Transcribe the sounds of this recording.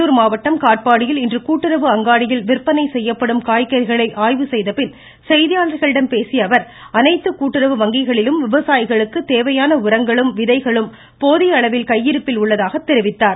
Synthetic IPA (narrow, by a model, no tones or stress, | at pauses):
uɾmaːʋɐʈːɐmkaːʈ̚paːɽɪjɪlɪndrɯkuːʈːɪɾɐʋɯɐŋɡaːɽɪjɪlʋɪrpːɐnɐɪsɛjːɐpːɐɽɯmkaːjkːɐɾɣɐɭɐɪʔaːjʋɯsɛjðɐpɪn | sɛjðɪjaːnɾɣɐɭɪɽɐmpeːsɪjɐʋɐɾ | ɐnɐɪt̪ːɯkuːʈːɪɾɐʋɯʋɐŋɡɪɣɐɭɪlɯmʋɪʋɐsaːjɪɣɐɭɯkːɯt̪eːʋɐjaːnɐʊɾɐŋɡɐɭɯmʋɪðɐɪɣɐɭɯm | poːðɪɐɭɐʋɪlkɐjːɪɾɯpːɪlʊɭːɐðaːɣɐt̪ːɛɾɪʋɪt̪ːaːɾ